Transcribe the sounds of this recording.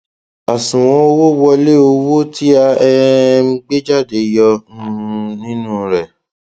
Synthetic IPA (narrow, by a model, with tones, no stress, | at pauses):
a˨sũ˨w̃ɔ̃˧˦o˦wo˦wɔ˧le˦˨o˧wo˦ti˦a˧ɛ˧˦ɡ͡be˦d͡ʒa˦˨de˨jɔ̃˧˦˧nĩ˦nũ˦ɾɛ˦˨